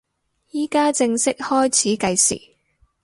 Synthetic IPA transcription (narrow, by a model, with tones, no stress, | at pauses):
jiː˥kaː˥t͡sɪ˧ŋsɪ˥k̚hɔː˥jt͡sʰiː˨˥kɐ˧jsḭː˨˩